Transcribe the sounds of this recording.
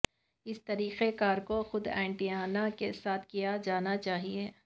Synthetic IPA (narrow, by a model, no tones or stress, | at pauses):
ɪst̪ɐɾiːqekaːɾkoxʊd̪ɛ̰̃ːɪɳʈiaːnakesaːt̪ʰkijad͡ʒaːnat͡ʃaːɦieː